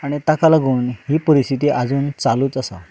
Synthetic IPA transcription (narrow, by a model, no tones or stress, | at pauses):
aɽ̃it̪akʰalaɡuːnhiːpəɾist̪ʰit̪iːʔad͡zuːnt͡saluːt͡səsa̰